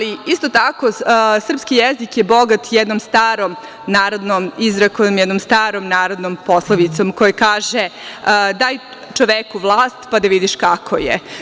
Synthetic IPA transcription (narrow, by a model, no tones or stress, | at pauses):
aliist̪ot̪akosr̩pskijezikjebo̞ɡat̪jɛd̪nomst̪aːɾom | naːɾod̪nomizɾakomjɛd̪nomst̪aːɾomnaːɾod̪nomposlˠaʋit̪somkojekaːʒed̪aːj | t͡ʃoʋekuʋlˠaːst̪pad̪aʋid̪iʃkakʰo̰jḛ